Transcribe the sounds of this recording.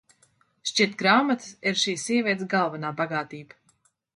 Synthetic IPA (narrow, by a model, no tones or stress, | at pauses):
ʃt͡ʃit̪ɡɾaːmat̪siɾʃiːsːiɛvʲiɛt̪sɡalˠvanaːbaɡaːt̪iːb